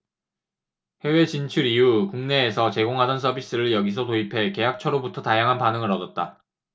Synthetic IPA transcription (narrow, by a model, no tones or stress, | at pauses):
he̞we̞t͡ɕint͡ɕʰuɾijukuŋne̞ːsʰʌt͡ɕe̞ɡoŋɦadʌnsʰʌbis͈ɯɾɯɭjʌɡis̬ʰʌtoipʰe̞ke̞jak̚t͡ɕʰʌɾobutʰʌtajaŋɦanpanɯŋɯɾʌdʌt̚t͈a